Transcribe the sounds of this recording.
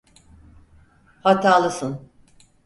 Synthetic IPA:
hat̪ʰaːlˠɯsɯn

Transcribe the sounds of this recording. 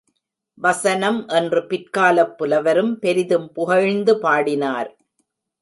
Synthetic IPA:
ʋɐsɐnɐmʔɛndrɯpɪɾkaːlɐpːɯlɐʋɐɾɯmpɛɾɪðɯmpʊɣɐɻnd̪ɯpaːɽɪnaːɾ

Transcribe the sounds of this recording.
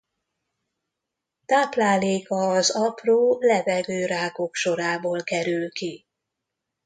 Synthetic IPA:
t̪aːplaːleːkɒːzɒproːlɛvɛɡøːɾaːɡo̞kʃo̞ɾaːboːlkɛɾylki

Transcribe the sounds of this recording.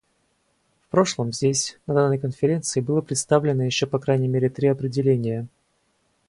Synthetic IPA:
fpɾo̞ʂlˠəmzʲdʲesʲnɐd̪anːəjkənfʲɪɾʲe̞nt̪sɨɪbɨlˠəpɾʲɪt̪st̪avlʲɪnːəjɪɕːo̞pɐkɾajnʲɪjmʲeɾʲɪt̪ɾʲiɐpɾʲɪdʲɪlʲenʲɪjə

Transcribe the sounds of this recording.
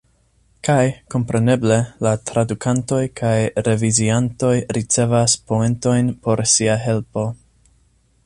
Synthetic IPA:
kajko̞mpɾe̞ne̞ble̞latɾadukʰanto̞jkʰajɾe̞vizianto̞jɾit͡se̞vaspo̞e̞nto̞jnpo̞ɾsiaɦe̞lpo̞

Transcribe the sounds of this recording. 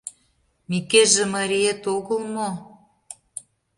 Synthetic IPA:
mikeʒĕmɑɾʲiet̪oɣə̆lmo

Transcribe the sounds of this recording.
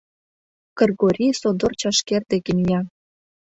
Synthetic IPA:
kɤ̆rɣoɾʲisod̪ort͡ɕɑʃkerd̪ĕkinʲjɑ

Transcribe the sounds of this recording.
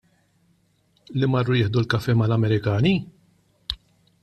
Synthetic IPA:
limɐrːʊjɪːħd̪ulkɐfɛːmɐlɐmɛɾɪkɐːni

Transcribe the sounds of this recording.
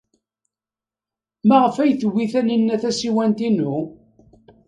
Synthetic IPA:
mæʁəfæjθəwːiθænənːæθæsiwænt̪inu

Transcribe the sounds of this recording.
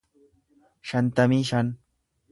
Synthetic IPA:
ʃɐnt̪ɐmiʃɐn

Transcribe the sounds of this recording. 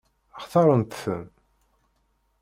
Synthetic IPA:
ɑχθɑɾˤənt̪θəm

